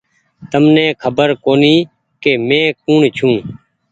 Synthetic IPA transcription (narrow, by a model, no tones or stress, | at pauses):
t̪əmnẽːkʰəbəɾkoːniː | keːmẽːkuːɳt͡ʃʰũː